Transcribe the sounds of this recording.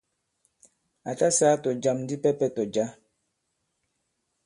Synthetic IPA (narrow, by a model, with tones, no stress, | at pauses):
a˨ta˦saː˦tɔ˨d͡ʒa˨mndi˦pɛ˦pɛ˦tɔ˨d͡ʒa˦